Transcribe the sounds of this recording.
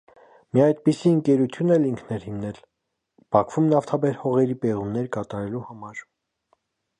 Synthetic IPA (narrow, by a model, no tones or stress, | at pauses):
mijɑjd̪̚pisiəŋkɛɾut̪ʰjunɛliŋkʰnɛɾhimnɛl | b̥ɑkʰvumnɑft̪ʰɑbɛɾhɔʁɛɾipɛʁumnɛɾkɑt̪ɑɾɛluhɑmɑɾ